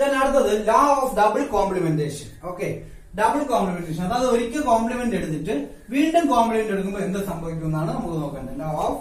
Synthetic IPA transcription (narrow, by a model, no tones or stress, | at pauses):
t̪aːnɐɽut̪ːɐðɨlaːofɖɐbɨɭkoːmplimende̞ːʂɐno̞ːkːe | ɖɐbɨlkoːmplimenɖeːɕɐnɐðaɐðɨo̞ɾikʲːɨkoːmplimendeɽut̪ːiʈːɨ | ʋiːɳɖumkoːmplimenɖeɽuk̬ːumboːe̞nd̪ɨsɐmbʱɐʋik̬ʲːumenːaːɳɨnɐmːukːɨno̞ːkːɐːɳɖɐlaːof